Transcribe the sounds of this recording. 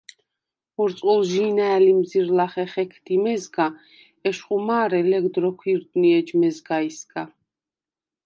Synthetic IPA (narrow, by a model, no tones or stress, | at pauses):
uɾt̪sʼulʒiːnaɛlimziɾlaχɛχɛkʰd̪̥imɛzɡa | ɛʃχʼumaːɾɛlɛɡd̪ɾɔkʰwiɾt̪ʼniɛd͡ʒmɛzɡaisɡa